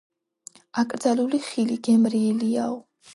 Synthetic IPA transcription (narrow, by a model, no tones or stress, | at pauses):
akʼɾd̪zaluliχiliɡɛmɾiɛliaɔ